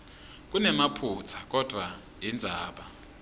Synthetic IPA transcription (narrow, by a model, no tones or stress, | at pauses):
k̬unɛmapʰut͡sʰḁk̬ʼɔd̥ʱwa | ind͡zʱaːɓa